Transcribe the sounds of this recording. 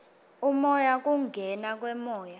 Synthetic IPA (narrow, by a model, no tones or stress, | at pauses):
umɔjak̬ʼuŋɡʱɛnak̬ʼwɛmɔːja